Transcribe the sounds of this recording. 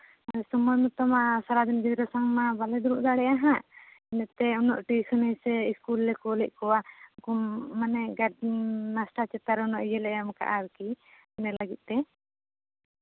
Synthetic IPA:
asɔmɔjmɔt̪ɔmasaɾad̪ɛnɡid̪ɾɔsaŋmabalɛd̪uɾuʔd̪aɽɛjaɦã | ɛnɛt̪ɛɔnɔ̰ʔʈisunɛjsɛiskulːɛkɔlɛʔ̚kɔwakumanɛɡainasʈat͡ʃɛt̪aɾɛɔnɔʔjɛlɛʔamka̰ʔaɾɛki | ɛnɛlaɡit̪̚ˀt̪ɛ

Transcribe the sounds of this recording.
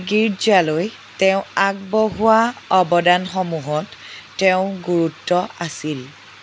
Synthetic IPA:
ɡiɹd͡ʒaloj | teʊ̃ak̚bɔɦuwaɔbɔdanxɔmuɦɔtːeʊ̃ɡuɹutːɔasil

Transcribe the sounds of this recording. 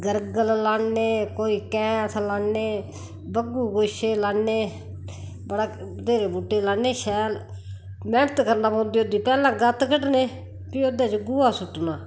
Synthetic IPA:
ɡəɾɡəllaːeːkoːiːkɛ̃ːt̪ʰlaːneː | bəɡuːɡoʃeːlaːneː | bəɽaːd̪eːɾeːbuːʈːeːlaːneːʃɛːl | mɛ̃ːɳət̪kəɾnaːpõːnd̪iːoːd̪iːpɛːlãːɡət̪kəɖneː | piːod̪ẽːt͡ʃɡʊːaːsʊʈnaː

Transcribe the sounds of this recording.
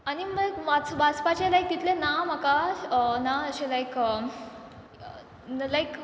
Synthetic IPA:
añiməʋat͡sʋat͡spat͡ɕelajk̚d̪it̪lenamakaənaəɕelajkə | lajk

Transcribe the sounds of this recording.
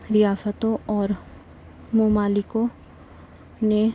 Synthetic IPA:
ɾɪjaːsət̪õɔːɾ | momaːlɪkõ | ne

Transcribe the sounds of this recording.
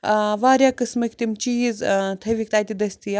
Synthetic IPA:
ʋaːɾjaːkɨsmɐkʲt̪imt͡ʃiːzt̪ʰɐʋʲik̚t̪aːjt̪ʲid̪ɐsʲt̪ija

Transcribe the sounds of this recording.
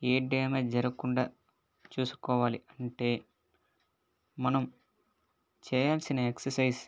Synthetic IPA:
eːɖeːmeːd͡ʒɐɾɐkuɳɖa̰ː | t͡ʃuːsu̥kɔːʋaːliɐɳʈe̞ː | mɐnɐm | t͡ʃɛːjaːlsinɐeksɐɾsɐjs

